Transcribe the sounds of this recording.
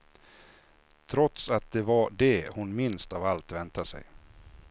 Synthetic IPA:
t̪ʰɾɔt̪sat̪̚d̪ɛvaɖɛhʊnmɪnst̪avalt̪vɛnt̪asɛ̰j

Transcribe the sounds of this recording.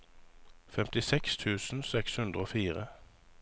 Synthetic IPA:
fɛmt̪ɪsɛkst̪ʰʉːsn̩sɛkshʉnd̪ʁəoːfiːʁə

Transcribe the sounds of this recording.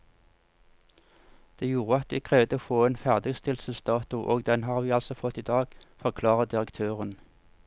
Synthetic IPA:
d̪̥eːjuːʁəɑt̪ʋiːkʰʁɛʋd̪əoːfoːeːnfæʁd̪ɪɡst̪ʰɪlsəlsd̪ɑːt̪ʊʔoːɡd̪ɛnɦɑːʁʋiːɑlsɔfɔt̪ːiːd̪ɑːɡfɔʁkʰlɑːʁəd̪ɪʁəkt̪ʰøːʁən

